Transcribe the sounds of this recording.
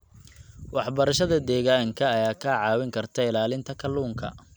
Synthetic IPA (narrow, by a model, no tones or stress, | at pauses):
wɑħbɐɾɐʃɐðɐd̪ɛːɣaːŋkʰɐːjaːkʰaʕɑːwɪŋkʰɐrt̪ʰɐɪlaːlɪnt̪ʰɐkʰɐluːŋkʰɐ̰